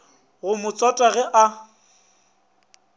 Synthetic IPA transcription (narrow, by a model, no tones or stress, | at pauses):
ɣʊmʊt͡sʼɔtʼaɣɛʔa